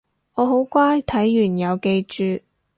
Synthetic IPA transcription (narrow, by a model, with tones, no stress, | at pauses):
ɔː˨˧ɦo˨˥wkʷaː˥jt̪ʰɐ˨˥jːyː˨˩njɐ˨˧wke˧jt͡ʃyː˨˧